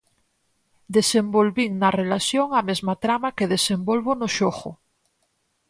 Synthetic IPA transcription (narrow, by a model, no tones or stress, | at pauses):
d̪e̞sembolβiŋnarelaθjoŋamezmat̪ɾamakeðesembolβonoʃoxo̰